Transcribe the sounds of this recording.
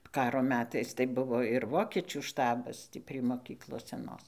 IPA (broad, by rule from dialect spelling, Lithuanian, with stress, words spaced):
ˈkɑːroː ˈmʲæːtɐɪs tɐɪ ˈbʊʋoː ɪr ˈʋoːkʲɛt͡ʃʲuː ˈʃtɑːbɐs ˈtʲiː pʲrʲiɛ moːˈkʲiːklˠoːs sʲɛˈnoːs